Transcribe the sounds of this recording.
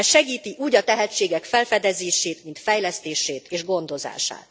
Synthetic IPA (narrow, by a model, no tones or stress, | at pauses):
ʃɛɡiːt̪iʔuːɟɒt̪ɛɦɛt͡ʃːeːɡɛkfɛlfɛd̪ɛzeːʃeːt̪mint̪fɛjlɛst̪eːʃeːt̪eːʒɡo̞nd̪o̞za̰ːʃa̰ːt̪